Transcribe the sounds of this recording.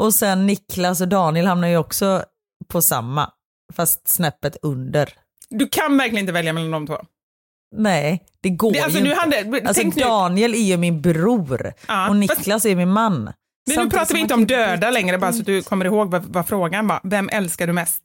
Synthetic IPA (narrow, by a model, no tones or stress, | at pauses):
ʔɔsɛnːɪklas̬ɔd̪ɑːnɪəlhamnaɾjəɔksɔ | pʰɔsa̰mːa̰ | fast̪snɛpːət̪ɵnd̪əɾ | d̪ɵkʰanvæɾklɪənɪvɛljamɛland̪ɔmt̪ʰvo̰ː | nɛː | d̪̥ɛɡoaljsɔnʉhand̪alʰɔɛŋkd̪d̪ɑːnɪɛlæɾjɵmɪnbɾuːɾːɔnɪkːlasæɾjmɪnmanː | sʉːpʰɾɑːt̪aɾvɪɪnt̪əɔmd̪øːd̪alɛŋɾəbɑːɾassɔat̪̚d̪ɵkʰɔmːəɾɪhoːɡvavafɾoːɡanbɑ̰vɛmːʔɛlskaɖɵmɛst̪